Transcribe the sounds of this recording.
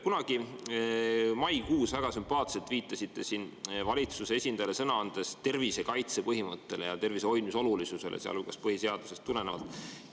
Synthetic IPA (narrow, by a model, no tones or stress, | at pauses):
kunɑɡ̥i | mɑjkuːsvæɡ̥ɑsympɑːt̪selt̪viːt̪ˑːɑsʲit̪ˑːe̞sinvɑlʲit̪suse̞e̞sʲind̪̥ɑjlesɤnɑɑnd̪̥e̞st̪e̞rvise̞kɑjt̪se̞pɤɦimɤt̪ːe̞le̞jɑt̪e̞rviseo̞j̪miso̞lulisuse̞̰lʔḛseɑ̰lukɑspɤɦise̞ɑd̪̥use̞st̪ːule̞nevɑ̰lt̪ːˑ